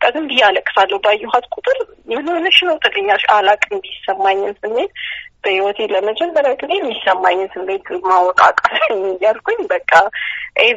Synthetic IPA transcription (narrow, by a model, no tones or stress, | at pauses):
kʼəɡ̪ɨnb̪ijaləkʼːɨ̥falːəhwbajːuɦat̪kʷʼut̪ʼɨɾ | jɛmnonəʃɪnəwt̪ʰəɡəɲːaʃalakʼɨnbisːəmːaɲːɨnsɨmːet̪̚b̥əhiwɔt̪ʰeləmət͡ʃɛnbəlakʼɨnejmːisəmːaɲːɨnsɨmːet̪mawɔkʼa̰kʼasɲjːalkʰoɲbəkʼːaʔej